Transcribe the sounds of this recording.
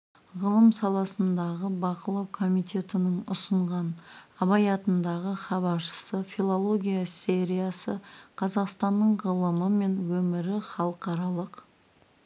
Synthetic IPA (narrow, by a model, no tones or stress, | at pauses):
ʁəlˠəmsɑlˠɑsənd̪ɑʁəbɑqəlˠɑwkʰo̞mijt̪ʲʰe̞t̪ɪnɪŋʊsəɴʁɑnɑβɑjɑt̪ənd̪ɑʁəχɑβɑɾʃə̥səfʲilˠolˠo̞ɡʲijase̞ɾʲijasəqʰɑzɑqst̪ɑnːəɴʁəlˠəməme̞nwɵmɪɾɪχɑlˠəqɑɾɑlˠəq